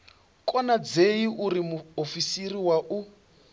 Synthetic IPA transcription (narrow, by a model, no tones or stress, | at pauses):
kʼɔnad͡zeiʔuɾimuofisiriwaʔu